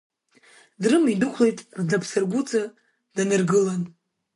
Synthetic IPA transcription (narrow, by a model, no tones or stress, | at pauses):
drɨmidɨχʷlejtʼrd͡zapʰsarɡʷut͡sʼa | danɨrɡɨlan